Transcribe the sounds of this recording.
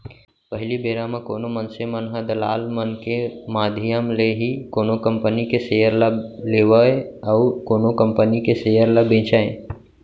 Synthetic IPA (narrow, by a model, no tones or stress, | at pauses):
pəɦɪlibeːɾamə̃koːnomənsemənɦəd̪əla̰ːlmənkemaːd̪ʱijəmleɦikoːnokə̃mpənikesejəɾləleːʋəeəʊkoːnokə̃mpənikesejəɾləbẽːt͡ʃaːẽ